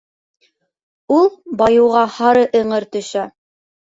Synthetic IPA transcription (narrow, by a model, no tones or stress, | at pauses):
ulˠbɑjɤ̆wʁɑhɑɾɤʔɤ̆ɴɤɾt̪ɵ̆ʃæ